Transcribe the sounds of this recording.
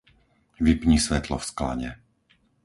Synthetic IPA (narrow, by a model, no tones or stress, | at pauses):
ʋipɲisʋɛt̪lɔfskla̰ɲɛ